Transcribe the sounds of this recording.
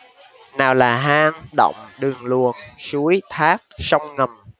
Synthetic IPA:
naː˨˩wlaː˨˩ɦaː˧ŋɗo̰˧˨wŋ͡mɗɨ˨˩ŋlu˨˩ənsu˨˦əjt̪ʰaː˦˥k̚sa˧wŋ͡mŋə˨˩m

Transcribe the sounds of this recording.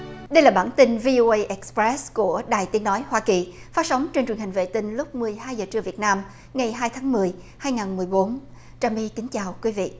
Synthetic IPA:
ɗə˧jlaː˨˩ɓaː˧˩nt̪i˧nvi˧ʔo˧ʔə˧jʔɛ˨˦˥kspɹɛ˦˥sku˧˩əɗa̰ː˨˩jt̪i˨˦ənɔ˨˦jhwaː˧ki˨˩ | faː˨˦˥sə˨˦wŋ͡mt͡ɕe˧nt͡ɕwi˨˩ənɦï˨˩ŋ̟vḛ˧˨t̪ï˧ŋ̟lʊ˦˥k͡p̚mɨ˨˩əjhaː˧jzəː˨˩t͡ɕɨ˧əvi˨˩ət̚naː˧m | ŋa˨˩jɦaː˧jt̪ʰaː˨˦ŋmɨ˨˩əj | haː˧jŋaː˨˩nmɨ˨˩əjɓo˨˦n | t͡ɕaː˨˧˩mi˧ki˨˦ŋ̟t͡ɕaː˨˩wkwi˨˦vḭ˧˨

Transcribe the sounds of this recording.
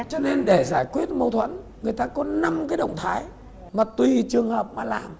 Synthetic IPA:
t͡ɕɔ˧ne˧nɗe˧˩zaː˧˩jkwi˦˥ət̚mə˧wt̪ʰwə̰˧˥n | ŋɨ˨˩əjt̪aː˧kɔ˨˦na˧mkaː˨˦jɗə̰˧˨wŋ͡mt̪ʰaː˨˦j | maː˨˩t̪wi˧˩t͡ɕɨ˨˩əŋhəː˨˩p̚maː˧˩laː˨˩m

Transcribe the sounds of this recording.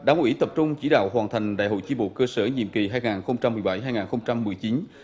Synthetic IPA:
ɗaː˨˦ŋʔḭ˧˥t̪ə˨˩p̚t͡ɕʊ˧ŋ͡mt͡ɕi˧˥ɗa̰ː˧˨whwaː˨˩nt̪ʰa˨˩jŋ̟ɗa̰ː˧˨jɦo̰˧˨jt͡ɕi˧ɓo̰˧˨kəː˧səː˧˩ɲḭ˧˨mki˨˩ɦaː˧jŋaː˨˩nxə˧wŋ͡mt͡ɕa˧mːɨ˨˩jɓa˧˩jɦaː˧jŋaː˨˩nxə˧wŋ͡mt͡ɕa˧mːɨ˨˩əjt͡ɕi˨˦n

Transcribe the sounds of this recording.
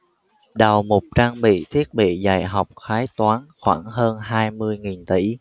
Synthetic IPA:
ɗa˨˩wmʊ˨˩k͡p̚t͡ɕaː˧ŋɓḭ˧˨t̪ʰi˦˥ət̚ɓḭ˧˨zaː˧˩jɦa˨˩wk͡p̚xaː˨˦jt̪waː˨˦nxwaː˧˩ŋɦəː˧nɦaː˧jmɨ˧əjŋi˨˩nt̪i˧˩

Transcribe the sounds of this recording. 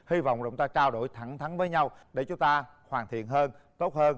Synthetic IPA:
hi˧va̰˧˨wŋ͡mːʊ˨˦ŋ͡mt̪aː˧t͡ɕaː˧wɗo˧˩jt̪ʰa˧˩ŋt̪ʰa˨˦ŋvəː˨˦jɲa˧wɗe˧˩t͡ɕʊ˨˦ŋ͡mt̪aː˧ | hwaː˨˩nt̪ḭ˧˨ənɦəː˧nt̪o˦˥t̚həː˧n

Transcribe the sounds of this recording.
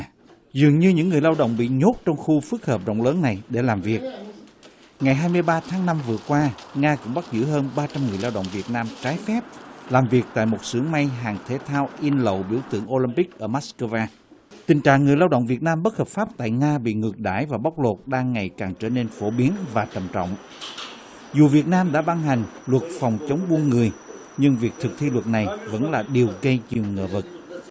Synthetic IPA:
zɨ˨˩əŋɲɨ˧ɲɨ̰˧˥ŋːɨ˨˩əjlaː˧wɗə̰˧˨wŋ͡mɓḭ˧˨ɲo˦˥t̚t͡ɕɔ˧wŋ͡mxu˧fɨ˦˥ək̚həː˨˩p̚ɗo̰˧˨ŋ͡mləː˨˦nːa˨˩jɗe˧˩laː˨˩mvi˨˩ək̚ | ŋa˨˩jɦaː˧jmɨ˧əjɓaː˧t̪ʰaː˨˦ŋna˧mvɨ˨˩əkwaː˧ŋaː˧kʊ̰˧˥ŋ͡mɓa˦˥t̚zɨ̰˧˥ɦəː˧nɓaː˧t͡ɕa˧mŋɨ˨˩əjlaː˧wɗə̰˧˨wŋ͡mvi˨˩ət̚naː˧mt͡ɕaː˨˦jfɛ˦˥p̚laː˨˩mvi˨˩ək̚t̪a̰ː˧˨jmo˨˩t̚sɨ̰˧˩˥əŋma˧jɦaː˨˩ŋt̪ʰe˨˦t̪ʰaː˧wʔi˧nlə̰˧˨wɓḭ˧˩əwt̪ɨ̰˧˩əŋʔo˧li˧npi˦˥k̚ʔəː˧˩maː˦˥skəː˧vaː˧ | t̪ï˨˩ŋ̟t͡ɕa̰ː˧˨ŋːɨ˨˩əjlaː˧wɗə̰˧˨wŋ͡mvi˨˩ət̚naː˧mɓə˦˥t̚həː˨˩p̚faː˦˥p̚t̪a̰ː˧˨jŋaː˧ɓḭ˧˨ŋɨ˨˩ək̚ɗa̰ː˧˩jvaː˨˩ɓa˦˥wk͡p̚lo˨˩t̚ɗaː˧ŋːa˨˩jkaː˨˩ŋt͡ɕə̰ː˧˦ne˧nfo˧˩ɓi˨˦ənvaː˨˩t͡ɕə˨˩mt͡ɕɔ̰˧˨wŋ͡m | zu˨˩vi˨˩ət̚naː˧mɗa̰ː˧˥ɓa˧ŋɦa˨˩jŋ̟lwə˨˩t̚fɔ˨˩wŋ͡mt͡ɕə˨˦wŋ͡mɓu˧ənŋɨ˨˩əj | ɲɨ˧ŋvi˨˩ək̚t̪ʰɨ˨˩k̚t̪ʰi˧lwə˨˩t̚na˨˩jvə̰˧˥nlaː˨˩ɗi˨˩əwɣə˧jɲi˨˩əwŋə̰ː˧˩və˨˩t̚

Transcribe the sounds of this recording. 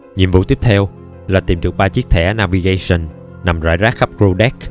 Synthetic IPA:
ɲḭ˧˨ənvṵ˧˥t̪i˦˥əp̚t̪ʰɛ˧w | laː˨˩t̪i˨˩mɗɨ˨˩ək̚ɓaː˧t͡ɕi˦˥ək̚t̪ʰɛ̰˧˩naː˧vi˧ɣa˧sə˧˩n | na˨˩mza̰ː˧˥jzaː˦˥k̚xa˦˥p̚kɹu˧ɗɛ˦˥k̚

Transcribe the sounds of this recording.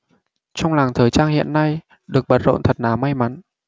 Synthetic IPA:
t͡ɕɔ˧wŋ͡mlaː˨˩ŋt̪ʰəː˨˩jt͡ɕaː˧ŋhḭ˧˨ənːa˧j | ɗɨ˨˩ək̚ɓə˨˦˥t̚zo̰˧˨nt̪ʰə˨˩t̚naː˨˩ma˧jma˨˦n

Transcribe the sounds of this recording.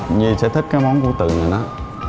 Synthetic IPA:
ɲi˨˩sɛ̰˧˥t̪ʰi˦˥k̚kaː˨˦jmɔ˨˦nku˧˩ət̪ɨ̰˧˨ŋaː˨˩nɔ˨˦

